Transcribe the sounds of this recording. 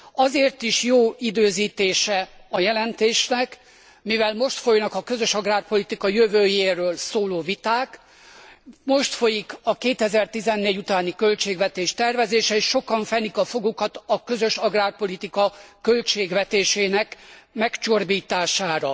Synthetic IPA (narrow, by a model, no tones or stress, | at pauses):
ɒzeːrt̪iʃjoːid̪øːziːt̪eːʃɛɒjɛlɛnt̪eːʃnɛk | mivɛlmo̞ʃt̪fo̞jnɒkɒkø̞zøʃɒɡraːrpo̞lit̪ikɒjøvøːjeːɾøːlsoːloːvit̪aːk | mo̞ʃt̪fo̞jikɒkeːt̪ɛzɛrt̪izɛnːeːɟut̪aːnikø̞lt͡ʃeːɡʋɛt̪eːʃt̪ɛrvɛzeːʃɛeːʃʃo̞kɒɱfɛnːikɒfo̞ɡukɒt̪ɒkø̞zøʃɒɡraːrpo̞lit̪ikɒkø̞lt͡ʃeːɡʋɛt̪eːʃeːnɛkmɛkt͡ʃorbiːt̪aːʃaːɾɒ